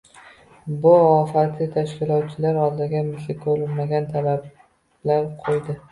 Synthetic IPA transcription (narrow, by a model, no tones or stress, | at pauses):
bʊɒfat̪ʰɪt̪ʰaʃkʲɪlˠɒt̪̚t͡ʃʰɪlaɾɒlˠd̪ɪɡʲamɪsɪkʰɵɾɪlmaɡʲant̪ʰalab | laɾqʰojd̪ɪ